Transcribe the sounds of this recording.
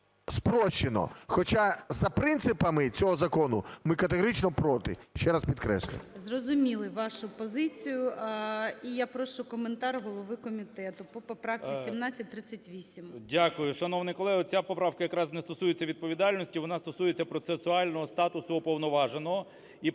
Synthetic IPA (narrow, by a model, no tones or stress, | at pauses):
spɾɔʃːenɔ̰xɔt͡ʃazɐpɾɪnt̪sɪpɐmɪt͡sʲɔɦɔzɐkɔnʊmɪkɐt̪eɦɔɾit͡ʃnɔpɾɔt̪ɪ̰ʃt͡ʃɛɾaspʲid̪kɾɛ̰sʲlʲʊ̰mzɾɔzʊmʲilˠɪʋaʃʊpɔzɪt͡sʲijʊ | ijapɾɔʃt͡ʃʊkɔment̪aɾɦɔlˠɔʋɪkɔmʲit̪ɛt̪ʊpɔpɔpɾaft͡sʲisʲimnat͡sʲːɐt̚ʲt̪ːɾɪsɐtʲʋʲisʲimdʲakʊjʊʃɐnɔʋnɪjkɔlˠɛɦɔt͡sʲapɔpɾɑwkɐjɐkɾɑznɛst̪ɔsujet͡sʲːɐʋʲid̪̚pɔʋʲid̪ɑlʲnɔsʲtʲiʋɔnɑst̪ɔsujet͡sʲːɐpɾɔt̪sesʊɑlʲnɔɦɔst̪ɑt̪ʊsʊɔpɔwnɔʋɑʒenɔɦɔ | i